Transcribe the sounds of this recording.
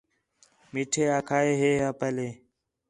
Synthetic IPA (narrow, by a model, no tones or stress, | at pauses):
miːʈʰeːaːkʰaːeːɦeːaːpeːleː